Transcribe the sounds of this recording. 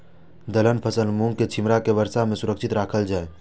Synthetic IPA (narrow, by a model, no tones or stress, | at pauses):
d̪ələnpʰəsəlmũŋket͡ʃʰɪmɾakeʋəɾsamẽsʊɾəkʃɪt̪ɾaːkʰəld͡ʒaːe